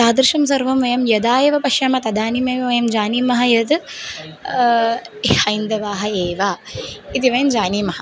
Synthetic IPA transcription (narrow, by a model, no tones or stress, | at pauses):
taːd̪ɾiʃɐmsɐɾʋɐmʋɐjɐmjɐd̪aːjɐʋɐpɐʃjɐmɐt̪ɐd̪aːnimɐːmɐʋɐjɐmd͡ʒaːniːmɐɦɐjɐd̪ | hɐjind̪ɐʋaːɦɐeːʋait̪iʋɐjɐmd͡ʒaːniːmɐɦɐ̆